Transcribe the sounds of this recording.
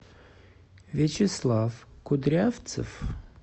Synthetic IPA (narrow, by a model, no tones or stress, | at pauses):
vʲet͡ɕɪslˠafkʊd̪ɾʲaft̪sə̰f